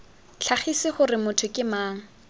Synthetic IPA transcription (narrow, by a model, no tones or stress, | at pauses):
ɬʰaχisɪχʊrɪmʊtʰʊkʼɪmaːŋ̩